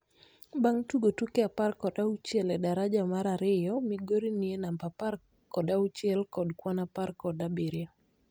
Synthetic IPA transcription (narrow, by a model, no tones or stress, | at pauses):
baŋtuɡotukeaparkɔdaut͡ʃjɛlɛdaɾad͡ʒamaɾaɾɪjɔmiɡoɾinienambapar | kɔdaut͡ʃjɛlkɔdkwanaparkɔdabiɾja